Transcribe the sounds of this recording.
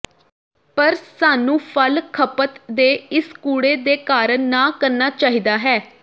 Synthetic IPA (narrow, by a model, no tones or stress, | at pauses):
pəɾsaːnũːpʰəlkʰəpət̪d̪eːɪskuːɽeːd̪eːkaːɾənaːkəɾnaːt͡ʃaːɦiːd̪aːɦɛː